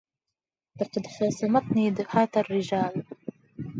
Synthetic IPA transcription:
t̪ɑqɑd̪ħɑːsˤɑmɑt̪niːd̪aħaːt̪arːɪd͡ʒaːl

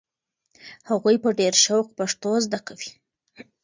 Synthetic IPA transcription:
haɣujpəɖeɾʃawkpaʂt̪ozd̪akawi̥

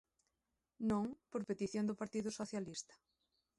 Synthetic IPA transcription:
nõŋpoɾpet̪iθjõnd̪ʊpaɾt̪iðʊsoθjalist̪ɐ̥

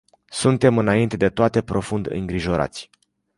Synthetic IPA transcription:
sunt̪e̞mɨnaint̪e̞d̪e̞t̪oat̪e̞pɾo̞fund̪ɨ̰ŋɡɾiʒo̞ɾa̰t̪sʲ

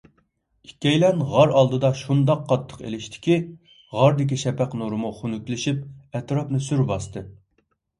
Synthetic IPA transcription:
ikʲːɛjlɛnʁɑɾɑlˠd̪ɨd̪ɑʃund̪ɑqːɑt̪ʰːə̥qḛlɪʃt̪ʰɪ̥kʲi | ʁɑɾd̪ɪkʲiʃɛpæqnuɾɨmuχunykʲlɪʃip̚ɛt̪ɾɑpnɨsyɾbɑst̪ʰɨ

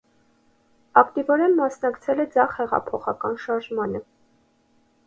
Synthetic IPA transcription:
ɑkt̪ivɔɾɛnmɑsnɑkt͡sʰɛlɛd͡zɑχhɛʁɑ̰pʰɔχɑ̰kɑnʃɑɾʒmɑnə

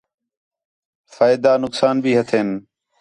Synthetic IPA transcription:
faːɪd̪aːnʊksaːnbʱiːɦət̪ʰeːn

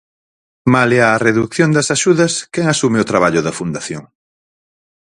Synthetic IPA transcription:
maleaːreðukθjond̪ɐsaʃuðɐskɛŋasumeʊt̪ɾaβaʎʊðɐfund̪aθjoŋ

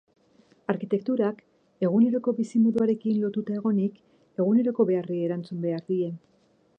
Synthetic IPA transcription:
aɾkit̪e̞k̚t̪uɾak | e̞ɣ̞une̞ɾo̞ko̞βisimoðuaɾe̞kinlo̞t̪ut̪ae̞ɣ̞o̞nik | e̞ɣ̞une̞ɾo̞ko̞βe̞arieɾant͡sumbe̞aɾðie̞

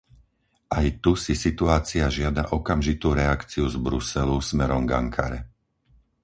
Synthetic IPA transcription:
ʔajt̪usisit̪uaːt͡siaʒɪad̪a̰ʔɔkamʒit̪uːɾɛakt͡siuzbɾusɛlusmɛɾɔmɡa̰ŋkʰa̰ɾɛ̰

